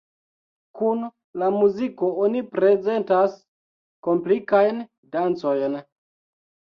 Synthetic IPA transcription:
kun | lamuziko̞onipɾe̞ze̞ntas | ko̞mplikajn | dant͡so̞jn

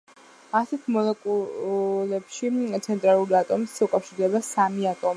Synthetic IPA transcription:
asɛt̪ʰmɔlɛkʼulɛpʃit̪sʰɛnt̪ʼɾalˠuɾiat̪ʼɔmisukʼafʃiɾd̪ɛbasamiat̪ʼɔmi

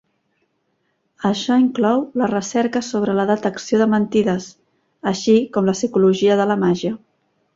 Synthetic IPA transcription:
əʃɔiŋklɔwlərəsɛɾkəsoβ̞ɾələðət̪əksioðəmənt̪iðəs | əʃikɔmləsikuluʒiəðələmaʒiə

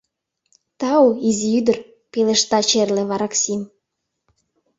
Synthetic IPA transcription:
t̪ɑoiziyd̪ə̆r | peleʃt̪ɑt͡ɕerleβɑɾɑksim

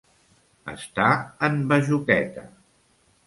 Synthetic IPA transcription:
ə̰st̪aəmbəʒukɛt̪ə̰

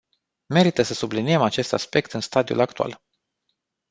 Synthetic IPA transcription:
me̞ɾit̪əsəsublinie̞mat͡ʃe̞st̪aspe̞kt̪ɨnst̪ad̪iṵlakt̪ua̰l

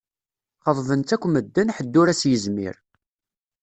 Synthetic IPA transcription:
χəðˤvənt̪ækʷːməd̪ːənħəd̪ːʊɾæsjəzmḭɾ

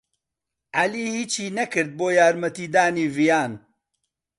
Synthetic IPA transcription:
ʔaliːhiːt͡ʃʰhiːnɐkɨɾd̪̚boːjaːɾmɐt̪iːd̪aːniːvijaːn

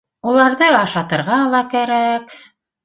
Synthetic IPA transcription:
ulˠɑɾðɤɑʃɑt̪ɤ̆ɾʁɑlˠɑkæɾæk

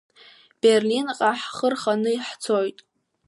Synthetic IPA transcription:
b̥erlinqʼaħχərχanɨiħt͡sʰojtʼ

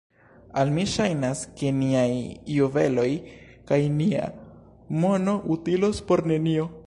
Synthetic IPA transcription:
almiʃajnaske̞niajːuve̞lo̞j | kajnia̰ | mo̞no̞ʔutilo̞spo̞ɾne̞nio̞

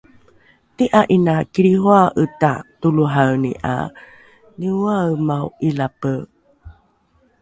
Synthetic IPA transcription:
tiʔaʔinakiɾiɦuaʔətatuluɦaɯnḭʔa̰ | niwamawʔilapə

